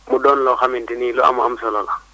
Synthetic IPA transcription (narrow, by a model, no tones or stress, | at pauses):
muɗɔnlɔxamintinilɔa̰ma̰msɔlɔla